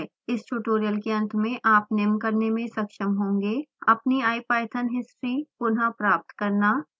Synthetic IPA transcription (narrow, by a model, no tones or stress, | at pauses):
ɪsʈuːʈoːɾijəlkeɐ̃nt̪ʰmẽʔaːpnɪmkɐɾnemẽsɐkʃəmɦõːŋɡeɐpniaːjpaːjt̪ʰənɦɪsɾipʊnɦapɾaːp̚t̪kɐɾnaː